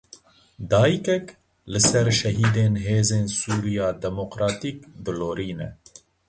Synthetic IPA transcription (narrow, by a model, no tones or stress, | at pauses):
d̪ɑːjikɛk | lɨsɛɾʃɛɦiːd̪eːnɦeːzeːnsuːɾijɑːd̪ɛmoqɾɑːt̪iːkb̪ɨloːɾiːnɛ̰